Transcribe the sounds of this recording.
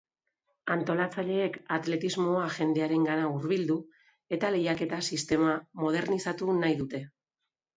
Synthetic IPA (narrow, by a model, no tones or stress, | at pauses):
ant̪o̞lat͡saʎe̞ːkat̪le̞t̪izmo̞aʝe̞nd̪e̞aɾe̞ŋɡanauɾβild̪u | e̞t̪ale̞jake̞t̪asist̪e̞mamo̞ð̞e̞ɾnisat̪unajðut̪e̞